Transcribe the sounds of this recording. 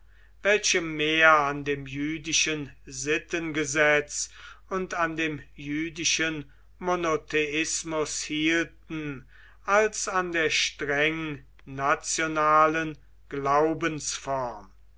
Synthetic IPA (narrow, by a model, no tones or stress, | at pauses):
vɛlʃəmeːɐandeːmjyːdɪʃənzɪtənɡəzɛt͡sʊntandeːmjyːdɪʃən | monotʰeɪsmʊshiːltn̩ | ʔalsandeːɐʃtʁɛŋ | nat͡sjonaːlən | ɡ̥laʊbənsfɔɐm